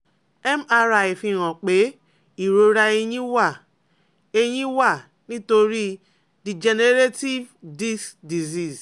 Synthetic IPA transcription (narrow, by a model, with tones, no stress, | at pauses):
ɛ˦ma˦ɾa˨ji˨fi˦ɾɔ̃˨k͡pe˦ | i˨ɾo˦ɾa˦e˦ɲĩ˦wa˦˨ | e˦ɲĩ˦wa˦˨ | nĩ˦to˦ɾi˦ | di˨d͡ʒe˨ne˦ɾe˦ti˦vdi˦sdi˨zi˦˨z